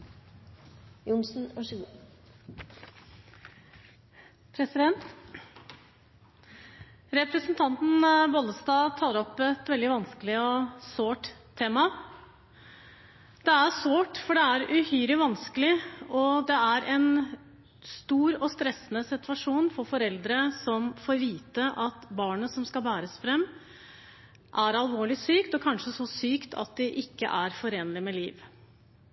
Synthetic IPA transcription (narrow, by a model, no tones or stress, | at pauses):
jʊnsn̩ɔʂ | pʰɾɛsɪd̪ɛnt̪ | ɾɛpɾəsənt̪ʰɑnt̪n̩bɔləst̪ɑːt̪ʰɑːəɾɔpɛt̪ʋɛld̪ɪʋɑnskəlɪɔsoːʈt̪ʰːeːmɑ | d̪̥ɛæsʋoːʈfɔɖɛæɾʉhyːɾɪʋɑnskəlɪɔd̪ɛæɾʔɛn | st̪uːɾɔst̪ɾɛsːənəsɪt̪ʋɑʂuːnfɔɾfɔɾɛld̪ɾəsɔmfoːɾʋiːt̪əʔɑt̪bɑːɳəsɔmskɑlbæːɾəsfɾɛmː | ʔæɾɑlʋoːɭɪsyːkt̪ɔkʰɑnʂəsɔsyːkt̪ʰɑ̰t̪̚d̪ɪʔɪkːə̰ʔæɾfɔɾeːnlɪmɛliːʋ